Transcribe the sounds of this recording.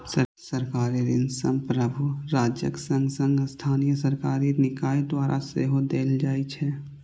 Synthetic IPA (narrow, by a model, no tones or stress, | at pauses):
səsəɾkaːɾid̪ɪnsə̃mpɾəbʱuɾaːd͡ʒjəksə̃ŋɡsə̃ŋɡst̪ʰaːnijəsəɾkaːɾinɪkaːed̪waːɾʔa̰seːɦod̪eːld͡ʒaːit͡ʃʰɛː